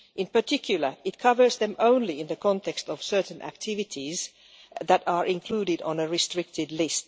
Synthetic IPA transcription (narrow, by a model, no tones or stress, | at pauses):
ʔɪ̃npə˞tʰɪkʰjʊl̩ˠə˞ɪt̚kʰʌvə˞zðɛ̃mʔõʊ̃nliɪ̃nðəkʰɔ̃ntʰɛkstɔv̥sɜ˞tn̩ʔæ̰k̚tʰɪvɪtʰiz | ðæɾəɹʔɪ̃nkʰl̥uːɾɪdɔ̃nəɹɪstɹ̥ɪk̚tɪdlɪst